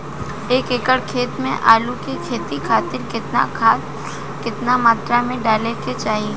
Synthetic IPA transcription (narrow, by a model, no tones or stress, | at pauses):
eːkekəɽkʰeːt̪mḛ̃ʔaːlukekʰeːt̪ikʰaːt̪ɪɾkɪt̪nakʰaːt̪ | kɪt̪namaːt̪ɾamẽɖaːleket͡ʃaːɦi